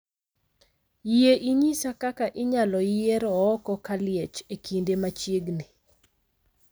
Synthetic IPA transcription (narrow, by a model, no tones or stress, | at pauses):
ieʔiɲisakakaʔɪɲalɔieɾɔːkɔkalɪɛt͡ʃekʰindemat͡ʃjeɡni